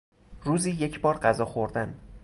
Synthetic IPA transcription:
ɾuːziːjecʰbɒːɾɢæzɒːxoɾd̪æn

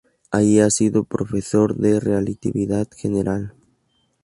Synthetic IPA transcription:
aiasiðʊpɾofesoɾðerealit̪iβiðaðʃeneɾʔal

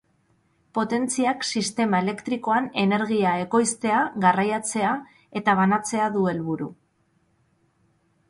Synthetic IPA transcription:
po̞t̪e̞nt͡siaksist̪e̞mae̞le̞kt̪ɾiko̞ane̞ne̞ɾɣiae̞ko̞jst̪e̞aɣarajat͡se̞a | e̞t̪aβ̞anat͡se̞aðue̞lβuɾṵ

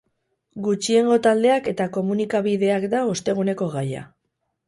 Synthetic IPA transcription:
ɡut͡ʃie̞ŋɡo̞t̪ald̪e̞ake̞t̪ako̞munikaβiðe̞akd̪aost̪e̞ɣ̞une̞ko̞ɣaja̰

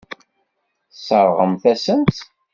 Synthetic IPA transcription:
θsˤəɾˤʁəmθæsənt̪

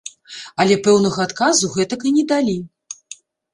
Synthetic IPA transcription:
ɐlʲɛpɛwnɐɣɐat̪kazuɣɛt̪ɐkɨnʲɛd̪alʲi

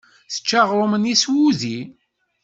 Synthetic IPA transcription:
θə̥t͡ʃːaʁɾˤoməniswuði

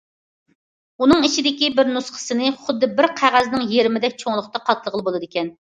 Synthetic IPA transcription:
unɨŋit͡ʃʰid̪ɪkʲibɪɾnusχə̥sɨnɨχʊd̪ːɨbɪɾqʰæʁæznɨŋjeɾmɪd̪ɛk̚ʲt͡ʃʰoŋlˠʊχt̪ɑqʰɑt̪ʰlˠəʁəlˠɨbolˠɨd̪ɪkʲɛn

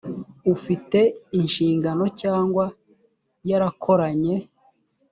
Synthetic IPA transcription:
ufite̞inʃiːŋɡano̞caːŋɡwa | jaɾakʰo̞ɾaɲe̞

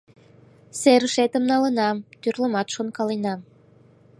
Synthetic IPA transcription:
seɾəʃet̪ə̆mnɑlənɑmt̪yrləmɑt̪ʃonkɑlinɑm

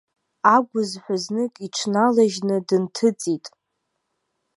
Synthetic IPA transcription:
aɡʷʊzħʷaznɨkʼiʈ͡ʂʰnalaʒnɨdɨntʰɨt͡sʼitʼ

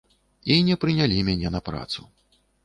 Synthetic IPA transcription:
inʲɛpɾɨnʲalʲimʲanʲɛnɐpɾa̰t̪sṵ

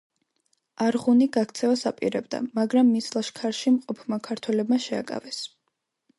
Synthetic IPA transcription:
aɾʁuniɡakʰt̪sʰɛvasapʼḭɾɛbd̪a̰maɡɾamːislˠaʃkʰaɾʃimqʼɔpʰmakʰaɾt̪ʰwɛlɛbmaʃɛa̰kʼa̰vɛs

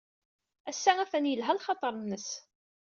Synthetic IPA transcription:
æsːææθænjəlɦælχɑt̪ˤəɾˤənːəs

